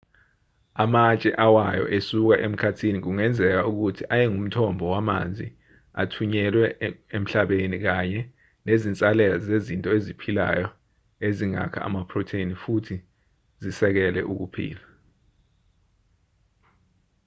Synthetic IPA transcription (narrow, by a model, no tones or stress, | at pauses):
amat͡ʃʼɛʔawajɔ̰ʔesuk̬aʔem̩kʰatʰinik̬uŋɛnd͡zʱɛk̬auk̬utʰiʔajɛŋum̩tʰɔmbʱɔwama̰nd͡zʱi | a̰tʰuɲɛlwɛem̩ɬaɓenik̬aɲɛ | nezint͡sʼalɛlazezintʼɔezipʰila̰jɔ | eziŋa̰kʰa̰a̰mapʰrɔtʰenifutʰi | zisɛk̬ɛlɛ̰ʔuk̬upʰḭːla